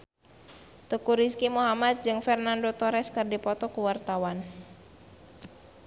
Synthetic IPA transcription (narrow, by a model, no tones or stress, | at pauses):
t̪əkuɾiskimuɦamat̪̚d͡ʒɨŋfɛrnandot̪ɔɾɛskɨrdipɔt̪ɔkuwart̪awan